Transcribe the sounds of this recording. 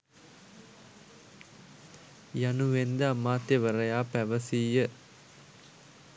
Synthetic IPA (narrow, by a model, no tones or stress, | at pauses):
januʋend̪əamːaːt̪jəʋəɾəjaːpæʋəsiːjə